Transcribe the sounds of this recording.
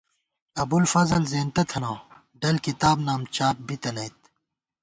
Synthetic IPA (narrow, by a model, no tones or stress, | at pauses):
ɐbulfɐzɐlzeːnt̪ɐt̪ʰɐnãː | ɖɐlkit̪aːbnaːmt͡ɕaːp̚bit̪ɐnɐjt̪̚